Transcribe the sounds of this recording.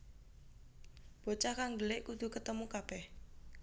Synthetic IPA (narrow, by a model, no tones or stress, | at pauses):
b̥o̤t͡ʃakaŋdəlɪʔkud̪̥ṳkət̪əmukab̥ɛh